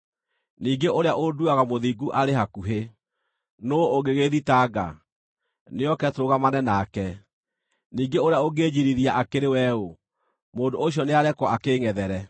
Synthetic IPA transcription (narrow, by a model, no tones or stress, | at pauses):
niːɡeʔoɾeaʔoduaɣamoðiɡuʔaɾeɦakuɦe | noːɣeɣeðitaɡa̰ | neɔkɛtɾoɣamanɛnaːkɛ | niːɡeoɾeaoɡed͡ʑiɾiɾiaʔakeɾewɛo | moːndooɕ̬jɔneaɾɛkwɔakeːŋɛðɛɾɛ